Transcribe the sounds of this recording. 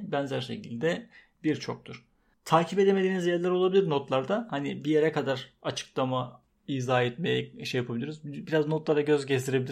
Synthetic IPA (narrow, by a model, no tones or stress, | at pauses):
bænzæɾʃe̞̰cʰilʲd̪ɛ | biɾt͡ʃʰo̞k̚t̪ʰuɾ̥ | t̪ʰaːcʰipe̞d̪eme̞d̪iːnizjɛɾlʲˠæɾo̞lˠabilʲiɾno̞t̪lˠaɾd̪ahanibije̞ɾɛkʰad̪aɾ̥at͡ʃʰɯ̥klˠama | iːzaːɛt̪̚mejɛʃejapʰabilʲiɾyzbbiɾaznot̪lˠaɾaɟø̞zɟest̪ʰiɾebilʲi